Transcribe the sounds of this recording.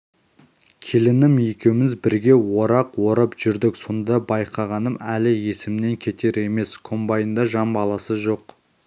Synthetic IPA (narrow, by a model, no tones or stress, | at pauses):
kʲʰe̞lɪnɪmjekʲe̞wmɪzbɪɾɡʲe̞wo̞ɾɑqwo̞ɾəpʒ̥ʏɾd̪ɪkso̞nd̪ɑbɑjqʰɑʁɑnəmælɪje̞sɪmne̞ŋkʲʰe̞t̪e̞ɾe̞me̞skʰo̞mbɑjənd̪ɑʒɑmbɑlˠɑsəʒo̞q